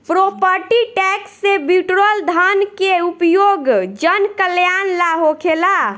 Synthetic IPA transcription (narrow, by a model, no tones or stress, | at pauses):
pɾopəɾʈiʈɛksːebuʈɾəld̪ʱankeupjoɡd͡ʒənkəljanlaɦokʰela